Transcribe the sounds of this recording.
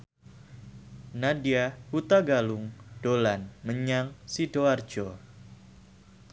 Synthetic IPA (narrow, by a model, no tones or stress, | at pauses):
nadiahut̪aɡalʊŋɖ̥olanməɲaŋsidoar̥d͡ʒo